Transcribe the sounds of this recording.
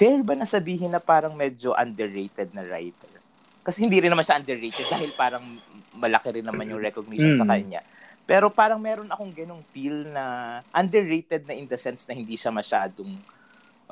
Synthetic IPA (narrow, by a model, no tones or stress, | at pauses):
fɛɹbɐnɐsɐbiːɦɪnɐpaːɾɐŋmɛːd͡ʒoʔɐ̰nd̪ɛɹːejt̪ɛd̪̚nɐɹa̰jt̪ɛɹ | kɐsɛhɪnd̪iɾɪnːɐmanʃaʔɐnd̪ɛɹːejt̪ɛd̪̚d̪aːhɪlpaːɾɐŋmɐlɐkɪɾɪnːɐnmanjʊŋɾɛkoɡ̚nɪʃonsɐkɐɲa̰ | pɛːɾo̞paːɾɐŋmɛːɾo̞nɐko̞ŋɡɐno̞ŋpilnɐʔɐnd̪ɛɹːejt̪ɛd̪̚nɐʔɪnd̪ɐsɛnsnɐhɪnd̪iʃamɐʃaːd̪oŋ